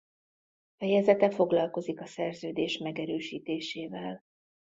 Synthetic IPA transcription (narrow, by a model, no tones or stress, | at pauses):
fɛjɛzɛt̪ɛfo̞ɡlɒlko̞zikɒsɛrzøːd̪eːʃmɛɡɛɾøːʃiːt̪eːʃeːvɛl